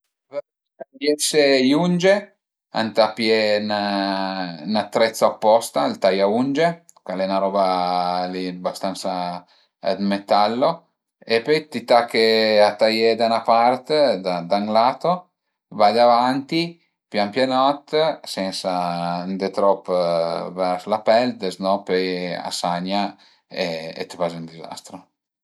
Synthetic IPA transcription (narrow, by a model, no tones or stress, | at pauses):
ajɛsejund͡ʒe | a̰nt̪apjɛn | nat̪ːɾɛt̪sːaopːɔst̪ailt̪ajaund͡ʒe | kalɛnaɾɔːbaliabast̪ant̪saː | d̪met̪alːo | epːɔjt̪it̪akːeat̪ːajed̪anapart̪ed̪ad̪aŋɡlaːt̪o | vajd̪avant̪i | pjampjanɔt̪ːsɛnsand̪et̪ɾɔpːvɛɾslapɛld̪eznɔpɔja̰saɲːa | eḛt̪ːvazund̪iza̰st̪ɾo